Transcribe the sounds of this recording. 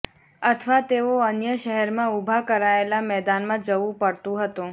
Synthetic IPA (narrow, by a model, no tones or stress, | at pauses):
ət̪ʰʋat̪eoənjəʃəɦɛɾmãubʱakəɾaelamɛd̪anmãd͡ʒəʋũpəɽt̪ũɦət̪ũ